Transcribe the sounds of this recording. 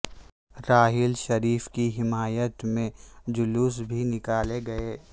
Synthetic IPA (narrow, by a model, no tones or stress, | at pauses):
ɾaːɦɪlʃɐɾiːfkiɦɪmaːjət̪mẽd͡ʒʊlus̬bʱinɪkaːleɡɐeː